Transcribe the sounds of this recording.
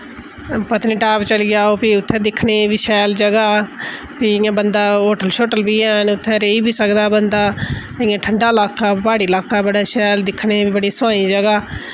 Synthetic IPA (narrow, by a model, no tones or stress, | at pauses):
pət̪nĩːʈaːpt͡ʃəlːɡjaːoːpiʊt̪ʰːɛ̃ːd̪ɪkʰneːbiːʃɛːld͡ʒəɡaː | piɪjãːbənd̪aːɦoːʈəlʃoːʈəlbiːɛːnʊt̪ʰːɛ̃ːɾeːiːbiːsəkd̪aːbənd̪aː | ɪjãːʈʰəɳɖaːlaːkaːbaːɽiːlaːkaːbəɽaːʃɛːld̪ɪkʰneːbiːbəɽiːsãːĩːd͡ʒəɡaː